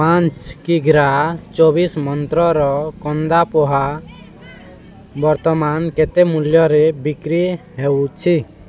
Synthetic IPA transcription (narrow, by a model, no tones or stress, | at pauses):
pãnt͡ʃkiɡɾat͡ʃobismɔnt̪ɾɔɾɔkɔnd̪apɔɦa | bɔɾt̪ɔmanket̪emuljɔɾebikɾiɦewt͡ʃʰi